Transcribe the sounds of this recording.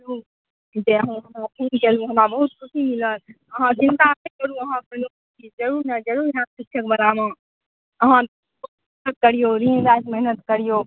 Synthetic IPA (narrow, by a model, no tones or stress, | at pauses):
ɾu | d͡ʒeəɦãɦəmɾap̪ʰenkəɾũɦəmɾabəɦut̪̚kʰʊsimiləɾ | əɦãt͡ʃĩnt̪amekəɾũəɦãpənukt͡ʃid͡ʒəɾuɾnəd͡ʒəɾuɾɦãsɪkʰːjəkbəɾamã | əɦã | umɛɦnət̪̚kəɾijoɾinʋajsmɛɦnət̪kəɾijo